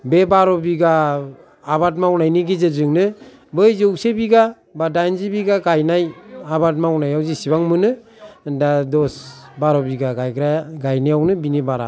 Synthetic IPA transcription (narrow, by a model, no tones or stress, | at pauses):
bebaɾɔbiɡaː | bat̚mawnajniɡizɯzɯŋnɯ | bɯjzɯwsebiɡa | badajnzibiɡaɡajnajabat̬̚mawnajawzisibaŋmɯnɯ | dadɔsbaɾɔbiɡaɡajɡɾaɡajniawnɯbinibaɾa̰